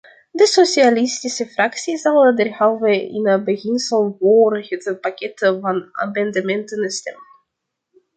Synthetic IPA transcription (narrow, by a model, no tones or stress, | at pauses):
dəsosialistisəfraksizalədɛrhavəɪ̰nəbəɣɪnsəlˠvoːrhətəpakɛtəvɑna̰mɑndamɛntənstɛ̰mən